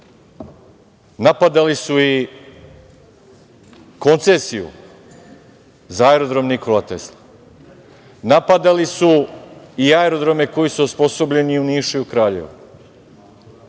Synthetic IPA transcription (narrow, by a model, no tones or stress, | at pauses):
napad̪alisui | ko̞nt̪sesijṵ | zaaeɾo̞d̪ɾo̞mniko̞lat̪ḛslˠa | napad̪alisuiaeɾo̞d̪ɾo̞me̞ko̞jisuospo̞so̞bʎe̞niuniːʃejukɾaːʎe̞̰ʋa̰